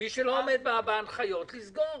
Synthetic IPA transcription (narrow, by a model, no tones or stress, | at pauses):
miʃeloːmed̪̚beabaanχajo̞t̪lizɡo